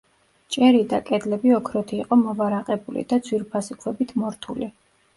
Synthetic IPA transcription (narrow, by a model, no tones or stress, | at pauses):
t͡ʃʼɛɾid̪akʼɛd̪lɛbiɔkʰɾɔt̪ʰiːqʼɔmɔvaɾaqʼɛbulḭd̪ad̪zʰwiɾpʰasikʰwɛbit̪ʰmɔɾt̪ʰṵli